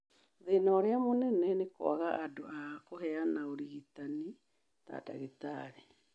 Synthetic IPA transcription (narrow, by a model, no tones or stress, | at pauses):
ðenaːɾeamonɛnɛneko̰a̰ɣaʔadoakoɦɛanaoɾiɣitani | ta̰ːta̰ɣetaɾe